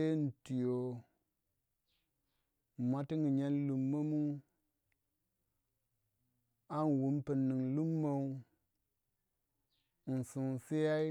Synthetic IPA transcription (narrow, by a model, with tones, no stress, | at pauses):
e˦n̩˨ti˨jo˨ | ma˦ti˦ŋi˨ɲe˦n˦lu˨mːo˦mu˦ | a˦n˨wu˨mpi˨nːi˨ŋlu˦mːo˦u˦ | n̩˨su˨n˨si˦ja˦i˦